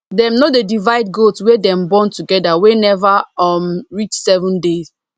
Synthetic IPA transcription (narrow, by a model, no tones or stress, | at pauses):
dɛmnodedivaɪd̚ɡotswɛdɛ̃mbɔ̃ntuɡɛdawenɛvaɔmɹit͡ʃsɛvɔ̃ndez